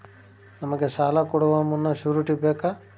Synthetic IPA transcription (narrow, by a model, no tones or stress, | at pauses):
nɐmɐɡesaːlakɔɽɐʋamunːɐʃuɾuʈibeːka